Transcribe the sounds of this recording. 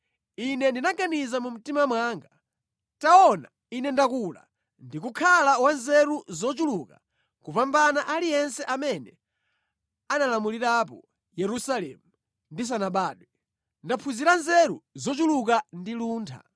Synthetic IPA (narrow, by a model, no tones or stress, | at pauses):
inɛndinaɡanizamum̩timamwaːŋɡa | taɔna | inɛndakula̰ | ndikukʰalawanzɛɾuzɔt͡ʃuluka | kupambanaʔalijɛnsɛʔamɛnɛ | analamuliɾapɔ | jɛɾusalɛ̰mu | ndis̬anaɓaːɗwɛ | ndapʰuziɾanzɛɾuzɔt͡ʃulukandiluːntʰa̰